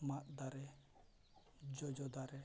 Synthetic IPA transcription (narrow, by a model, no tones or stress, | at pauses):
mat̪̚d̪aɾɛ | d͡ʒɔd͡ʒɔd̪aɾɛ